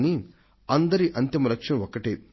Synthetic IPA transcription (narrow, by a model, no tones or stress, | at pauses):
ni | ɐnd̪ɐɾiʔɐnt̪imɐlɐkʂɐmɐɔkɐʈe